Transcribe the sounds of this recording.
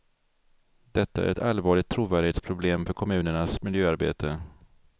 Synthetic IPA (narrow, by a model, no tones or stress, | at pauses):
d̪̥ɛt̪ːaæ̰ɾɛt̪alvɑːɭɪɡ̚t̪ʰːɾuːvæːɖɪheːt̪spʰɾʊbleːmfœɾkʰɔmʉ̟ːnəɳasmɪljøːaɾbḛːt̪ʰə